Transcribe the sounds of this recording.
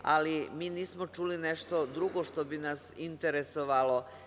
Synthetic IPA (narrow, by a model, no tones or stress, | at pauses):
a̰limiːniːsmot͡ʃuːlineʃt̪o̞d̪ɾuɡo̞ʃt̪o̞binasint̪eɾesoʋalo̞